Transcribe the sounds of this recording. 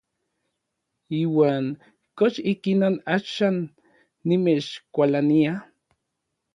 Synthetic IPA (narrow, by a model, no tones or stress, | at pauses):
iːwaːŋ | koʃikinonaʃaːnː | imet͡ʃkʷalania